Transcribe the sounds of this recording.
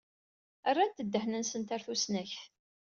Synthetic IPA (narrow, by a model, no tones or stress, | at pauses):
ərˤːat̪ːəd̪ːəhnənsənt̪aɾθusnæçθ